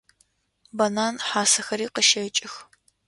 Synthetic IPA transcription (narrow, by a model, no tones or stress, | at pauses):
bɐnaːnħaːsɐxɐɾiːqəʃɐt͡ʃʼɪx